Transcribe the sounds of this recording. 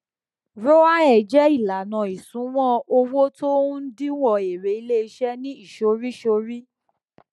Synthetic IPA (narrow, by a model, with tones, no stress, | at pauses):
ɾo˦wa˦ɛ˨d͡ʒɛ˦i˦˨la˨nã˨i˨sũ˨˦w̃ɔ̃˦o˧wo˦to˦n̩˦dĩ˦wɔ˧˨e˨ɾe˨˦i˧le˦i˧ʃɛ˦nĩ˦i˦˨ʃo˧˦ɾi˦ʃo˧˦ɾi˦